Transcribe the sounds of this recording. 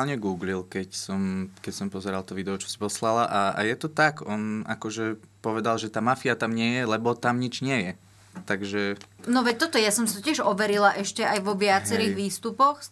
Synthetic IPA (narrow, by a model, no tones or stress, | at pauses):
alɲɛɡuːɡlilkɛcsɔmkɛcsɔmpɔzɛɾalt̪ɔʋid̪ɛɔt͡ʃɔ̥si̥pɔslalaʔaa̰jɛt̪ɔt̪akɔna̰kɔʒɛpɔʋɛd̪alʒɛt̪aːmafiat̪amɲɪɛjɛlɛbɔt̪amɲid͡ʒɲɪɛjɛ | t̪aɡʒɛnɔʋɛct̪ɔt̪ɔjasɔmsit̪ɔcɪɛʒɔʋɛɾilaʔɛʃcɛajʋɔʋɪat͡sɛɾiːɣʋiːst̪upɔx